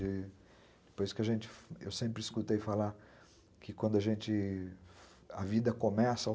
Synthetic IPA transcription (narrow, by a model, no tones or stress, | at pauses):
ɪ | d̪ɪpojskɪɐʒẽnt͡ʃɪ̥fewsẽmpɾɪiskut̪ejfalaɾ | kʰɪkwɐ̃nd̪ʊɐʒẽnt͡ʃɪ | ɐvid̪ɐkomɛsɐa